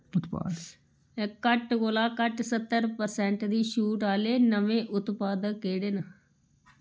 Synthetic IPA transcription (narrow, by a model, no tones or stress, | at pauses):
ʊt̪pa̰ːd̪ | kəʈkoːlaːkəʈsət̪ːəɾpəɾsɛ̃ːɳʈd̪iːʃuːʈaːleːnəʋẽːʔʊt̪paːd̪əkːeːɽeːna